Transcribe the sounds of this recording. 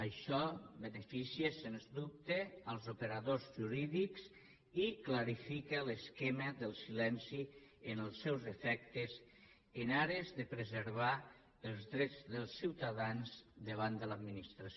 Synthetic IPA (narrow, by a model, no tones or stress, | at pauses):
əʃɔβənəfisiəsenzd̪up̚t̪eəlˠzupəɾaðozʒuɾiðikz | iklaɾifikələskeməðəlˠsilɛnsiənəlˠsɛwzəfɛk̚t̪əz | ənaɾezðəpɾəzəɾβa | əlˠzðɾɛd͡zðəlˠsːiwt̪aðanzd̪əβ̞and̪ələd̪minist̪ɾas